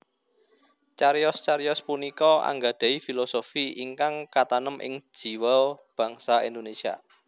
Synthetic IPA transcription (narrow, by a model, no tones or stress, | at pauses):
t͡ʃaɾjɔst͡ʃaɾjɔspunikɔa̰ŋɡad̪̥a̤ifilosofiʔiŋkaŋkat̪anəmʔɪ̰ŋ̥d͡ʒ̥i̤walb̥ä̤ŋsaind̪onesia̰